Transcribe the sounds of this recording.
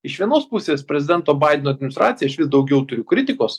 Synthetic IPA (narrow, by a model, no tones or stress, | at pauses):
ɪʃʋʲiɛnoːspʊsʲeːspʲɾʲɛzʲɪd̪ʲɛnt̪oːbɐˑɪd̪ʲɛnoːd̪ʲmʲɪnʲɪst̪ɾɑːt̪sʲɪjɛɪʃʋʲɪsd̪ɒʊɡʲɛʊt̪ʊɾʲʊkɾʲɪt̪ʲɪkoːs